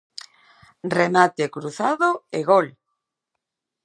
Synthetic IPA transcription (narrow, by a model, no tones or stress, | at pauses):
remat̪ekɾuθaðoeɣol